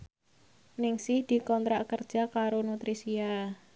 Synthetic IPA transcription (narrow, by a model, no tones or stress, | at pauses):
nɪŋsɪhd̪̥i̤kɔnt̪ɾaʔkərd̥ʒ̥a̤kaɾonut̪ɾisia